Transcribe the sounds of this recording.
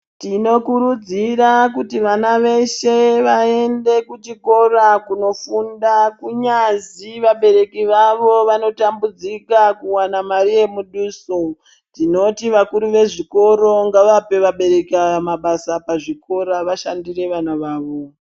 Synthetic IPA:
tino̞kuɾud͡zirakutiʋanaʋe̞ʃe̞ʋae̞nde̞kut͡ʃiko̞rakuno̞fundakuɲaziʋaɓe̞ɾe̞kiʋaʋo̞ʋano̞tambud͡zikakuwanamaɾije̞muɗuːso | tino̞tiʋakuɾuʋe̞ʐiko̞ɾo̞ŋɡaʋape̞ʋaɓe̞ɾe̞kamaɓasapaʐiko̞ɾaʋaʃandire̞ʋanaʋaːʋo̞

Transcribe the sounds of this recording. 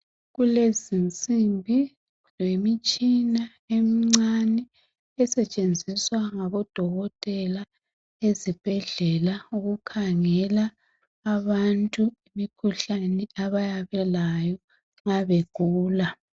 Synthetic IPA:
ɣulezint͡sʼimbʱi | lwemit͡ʃʼina | emiŋ͡ǀanɛ | ɛsɛt͡ʃʼend͡zʱiswaŋaβɔd̥ʱɔɣɔtʼɛla | ezib̥ʱɛɮɛlauɣukʰaŋɛlaː | βantʼuimikʰuɬanɛaβajaβɛlajɔ | ŋaβeɡ̥ʱuːla

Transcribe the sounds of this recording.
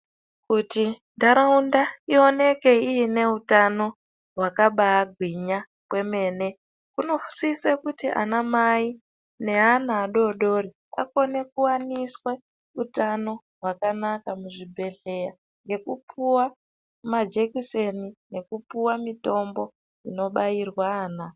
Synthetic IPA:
kuti | daɾaundaio̞ne̞ke̞iine̞utano̞ | ɦwakaɓaːɡʱwiɲa | kwe̞me̞ːne̞ | kuno̞fu̥sisekutiʔa̰namai | ne̞ɦanaːɗo̞ɗo̞ri | a̰ko̞ne̞kuwaniswe̞ | utano̞ | ɦwakanakamuʐibʱe̞ɮe̞ja | ŋɡe̞kupʰuwa | mad͡ʒekisenine̞kupuwamito̞mbo̞ | ino̞ɓajirwaːna

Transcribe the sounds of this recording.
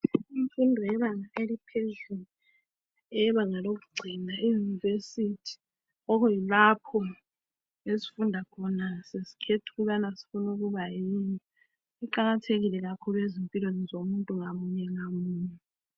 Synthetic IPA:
iɱfundʱɔjɛβaŋaelipʰezulu | ɛβaŋalok̬uɡ͡ǀʱinaijunivesitʰi̥ | ɔkɔjilapʰɔ | esi̥fundʱakʰɔnasesi̥kʰetʰu̥ɣuβanasi̥funuɣuβajini | iǃaɣatʰeɣilɛɣakʰuluezimpʼilwenizomuntʼuŋamuɲɛŋamuːɲu

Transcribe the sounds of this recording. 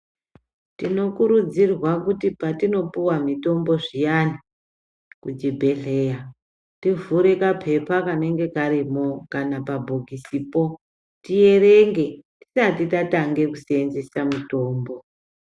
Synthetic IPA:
tino̞kuɾud͡zirwakutipatino̞puwamito̞mbo̞ʐijani | kud͡ʒibʱeɬeja | tivuɾekapʰe̞pakane̞ŋɡe̞kaɾimo̞kanapabʱoɡʱisipo̞ | tije̞re̞ŋɡe̞ti̥satitataŋɡe̞kuseːnzesamuto̞ːmbo̞

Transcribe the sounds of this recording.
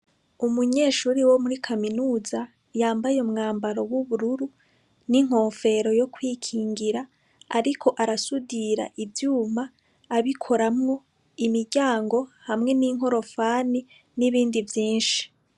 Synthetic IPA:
umuɲe̞ːʃuːɾiwo̞muɾikʰaminuːza | jaːmbajeumŋaːmbaɾo̞wuβuɾuɾu | niŋ̥ho̞ːfe̞ɾo̞jo̞kwiːkʰiːŋɡiɾa | aɾikʰo̞ʔaɾasudiɾa̰ʔivjuːmaː | βikʰo̞ɾamŋo̞ | imiɾɟaːŋɡo̞hamŋe̞niːŋ̥ɦo̞ɾo̞faːni | niβiːndivjiːnʃi̥

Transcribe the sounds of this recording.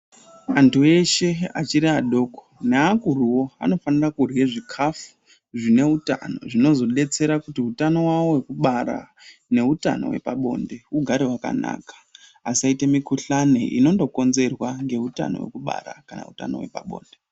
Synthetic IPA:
antue̞ʃe̞a̰t͡ʃiɾiaɗo̞ːko̥neakuruwo̞a̰no̞fanirakurjeʐikʰafu̥ | ʐine̞uta̰no̞̰ʐino̞zo̞ɗe̞t͡se̞ɾakutiutano̞wawo̞we̞kuɓaɾa̰ | ne̞uta̰no̰we̞̰paɓo̞̰nde̞uɡʱaɾewaka̰na̰ːkḁ | asaite̞mikuɬanḛʔino̞ndo̞ko̞nze̞rwaŋɡe̞uta̰no̞̰we̞̰kuɓa̰ɾa̰kana̰uta̰no̰we̞̰paɓo̞̰ːnde

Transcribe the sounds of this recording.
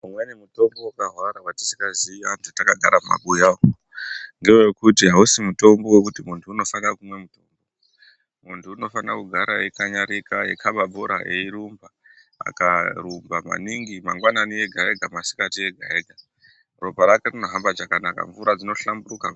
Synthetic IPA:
umwenemuto̞mbo̞ukaɦwaɾawati̥si̥kaziantutakaɡʱaɾamma̰ɓujao | ndiojokutiɦausimuto̞mbo̞wek̬utimuntʰuːno̞fanrakumwe̞muto̞mbo̞o | muntʰuːno̞fanrakuɡʱaɾaekaɲaɾikaḛkʰaɓabʱoɾa̰ʔeiɾumba | a̰kaɾumbama̰niŋɡimaŋɡwananie̞ɡʱae̞ɡʱamasi̥katie̞ɡʱaeːɡʱa | ropaɾakerinoɦambad͡ʒakanaka̰ɱvuɾad͡zino̞ɬambuɾuka

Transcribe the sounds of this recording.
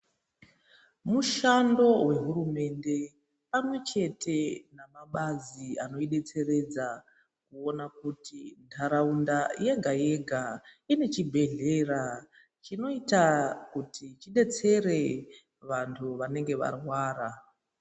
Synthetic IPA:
muʃando̞we̞ɦuɾume̞nde̞ | pamwe̞t͡ʃe̞tʰe̞namaɓaziano̞iɗe̞t͡se̞re̞d͡za | kuo̞nakutintʰaɾaundaje̞ɡʱaje̞ɡʱaine̞t͡ʃibʱe̞ɮe̞ra | t͡ʃino̞itakutʰit͡ʃiɗe̞t͡se̞re̞ | ʋantʰuʋane̞ŋɡe̞ʋa̰rwaːra

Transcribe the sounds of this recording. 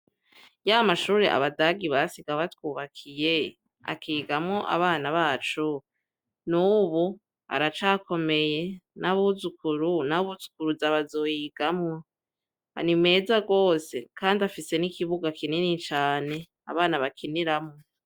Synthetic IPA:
jaamaʃuːɾeʔa̰βadaɡiβasiɡaβatwuːβakʰije̞ | a̰kiːɡamŋoʔa̰βaːnaβaːt͡ʃu | nuβu | a̰ɾat͡ʃaːko̞me̞je̞nʔaβuzukuɾunaβuzu̥kuɾuzaβazojiɡ̥amŋo | a̰nime̞ːzaɡo̞ːse̞kʰaːndiafise̞nikiβuɡakininit͡ʃaːne̞ | a̰βaːnaβakʰiniɾamŋo

